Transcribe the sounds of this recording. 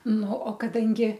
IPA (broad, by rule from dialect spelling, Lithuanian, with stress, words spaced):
ˈnʊ oː kɐˈdɐŋʲɡʲɪ